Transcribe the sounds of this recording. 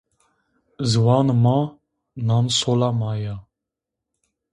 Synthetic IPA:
zwɑnmɑ | nɑnsolamɑjɑ

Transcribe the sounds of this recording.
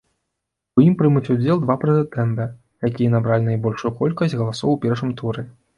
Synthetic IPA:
ujimpɾɨmut͡sʲud͡zʲɛlˠd̪vapɾɨd̪ɛt̪ɛmbɛ | jakʲijɐnabɾalʲinajbɔlʲʂujukɔlʲkɐsʲɣɐlˠasɔwpʲɛɾʂɨmt̪ʰuɾɛ

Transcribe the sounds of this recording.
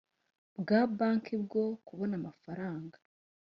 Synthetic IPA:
bɡaːbaːŋkibɡo̞kuβo̞namafaɾaːŋɡḁ

